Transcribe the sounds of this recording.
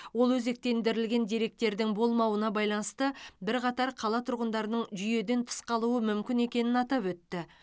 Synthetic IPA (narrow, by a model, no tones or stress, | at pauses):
wo̞lˠwɵze̞k̚t̪e̞nd̪ɪɾɪlɡʲe̞nd̪eɾe̞k̚t̪e̞ɾd̪ɪŋbo̞lˠmɑwənɑbɑjlˠɑnəst̪əbɪɾqɑt̪ɑɾqʰɑlˠɑt̪ʰʊɾʁənd̪ɑɾənəɴʒʏje̞d̪e̞nt̪ʰʊ̥sqɑlˠuwəmʏmkʲɪne̞kʲe̞nɪnɑt̪ɑpwɵt̪ːɪ